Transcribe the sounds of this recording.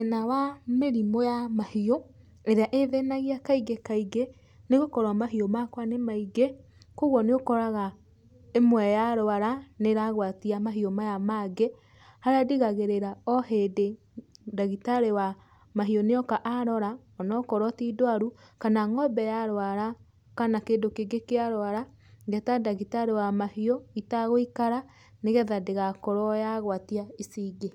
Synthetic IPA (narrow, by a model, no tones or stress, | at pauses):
enawameɾimojamahio | eɾeaʔeðenaɣiakaiɡekaiɡe | neɣokɔɾwamaɦiomakwanemaiɡe | koɣwɔneɣokɔɾaɣa | emwɛjaɾoaɾaneɾaɣwatiamaɦiomajamaɡe | haɾeadiɣaɣeɾeɾaɔhede | daɣitaɾewa | maɦiɔneɔkaʔaɾɔɾa | ɔnɔkɔɾwɔtidwaɾukanaŋɔbɛjaɾoaɾa | kanakeːndokeɡekeaɾowaɾa | ɡɛtadaɣitaɾewamahiɔitaɣoikaɾa | neɣɛðadeɣakɔɾɔjaɣwatiaisiɡe